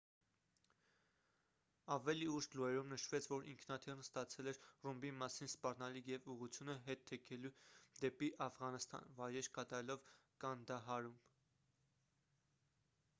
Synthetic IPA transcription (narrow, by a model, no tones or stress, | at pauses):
ɑvɛliuʃluɛɾumnəʃvɛt͡sʰvɔɾʔḭŋkʰnɑt̪ʰirnəst̪ɑt͡sʰɛlɛɾrumbimɑsinspɑrnɑlikʰjɛvuʁut͡sʰjunəɦɛt̪ʰːɛkʰɛlud̪ɛpiʔɑfʁɑnəst̪ɑ̰nvɑjɾɛɾkɑt̪ɑɾɛlɔvkɑnd̪ɑɦɑɾum